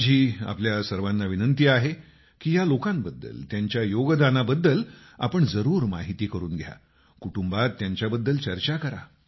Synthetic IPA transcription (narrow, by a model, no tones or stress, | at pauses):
d͡ʑiːa̰pljasəɾʋanːaʋinənt̪iːaɦe | kiːjalokãmbəd̪ːə̰lt̪jaɲt͡ɕjajoɡd̪anabəd̪ːəl | a̰pəɳd͡zəɾuːɾma̰ɦit̪iːkəɾuːnɡʱja̰ | kuʈumbat̪ːjaɲt͡ɕjabəd̪ːəlt͡ɕəɾt͡ɕakəɾa̰